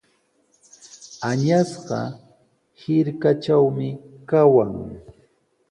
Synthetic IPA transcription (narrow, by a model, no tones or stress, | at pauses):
aɲasɢɑ̰ | hɪɾkat͡ʃawmɪkawaŋ